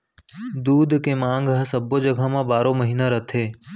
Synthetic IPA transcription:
d̪uːd̪keːmãːŋɡɦəsɐbod͡ʒəɡʱəmãbaːɾoməɦiːnaɾɐt̪ʰeː

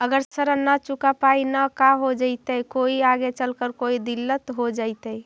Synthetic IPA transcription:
əɡəɾsəɾənat͡ʃukapainakaɦod͡ʒaɪt̪əkoiaɡet͡ʃəlkəɾkoid̪ilːət̪ɦod͡ʒaɪt̪əj

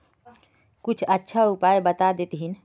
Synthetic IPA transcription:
kut͡ʃʰətːʃʰaupajbət̪ad̪et̪ɦin

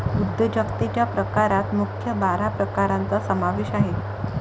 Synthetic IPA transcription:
ud̪jəd͡ʑəkt̪et͡ɕjapɾəkaɾat̪mukʰjəbaɾapɾəkaɾant͡sasəmaʋeɕaɦe

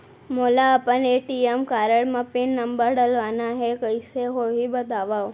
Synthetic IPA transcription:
molaːpəneʈiemkaɾəɽmãpiɳnəmbəɽəlʋanaɦekəjseɦoɦibəd̪ʱaʋa

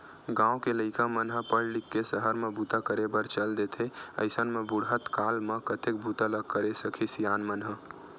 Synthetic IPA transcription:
ɡãwõkeləɪkamənɦəpəɽlikːesəɦəɾmebʱut̪akəɾebəɾt͡ʃəld̪et̪ʰeə̰ɪsənmebuɽɦət̪kalmekət̪ek̚bʱut̪aləɡ̚kəɾesəkʰisijanmənɦə

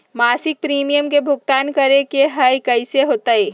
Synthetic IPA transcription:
maːsɪk̚pɾiːmijəmkebʱʊɡ̚t̪aːnkəɾekeɦɐjkɐɪseɦoːt̪aeː

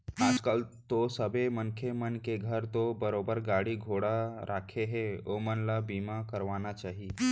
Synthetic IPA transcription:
aːd͡ʒkəlt̪osəbemənkʰemənkeɡʱəɾt̪obəɾoːbəɾɡaːɽiɡʱoːɽaɾʔaːkʰeɦɛomənlabiːmakəɾʋaːnat͡ʃaːɦie

